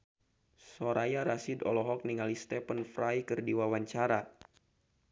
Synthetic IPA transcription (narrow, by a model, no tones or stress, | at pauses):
soɾajaɾasidɔ̰lɔɦɔk̚niŋalist̪ɛpənfɾajkɨrdiwawaɲt͡ʃaɾa